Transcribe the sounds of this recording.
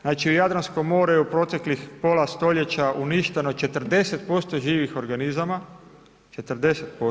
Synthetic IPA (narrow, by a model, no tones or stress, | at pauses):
znaːt͡ʃiujad̪ɾansko̞mo̞ːɾejeupɾo̞t̪e̞klixpo̞last̪o̞ʎe̞t͡ɕaʔuniʃt̪e̞no̞t͡ʃe̞t̪rd̪e̞se̞t̪̚po̞st̪o̞ʒiːʋixo̞ɾɡanizama | t͡ʃe̞t̪ɾd̪e̞set̪̚po